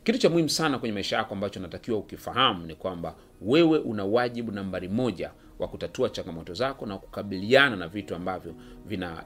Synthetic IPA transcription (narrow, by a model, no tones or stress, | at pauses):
kitut͡ʃamuhim̩usanakwɛɲɛmaiʃajakɔambat͡ʃɔnatakiwaukifaɦamunikwamba | wɛwɛʔunawaʄiɓunambaɾimɔʄa | wakutatuat͡ʃaŋɡamɔtɔzakɔnaku̥kaɓiliananavituambavjɔ | vina̰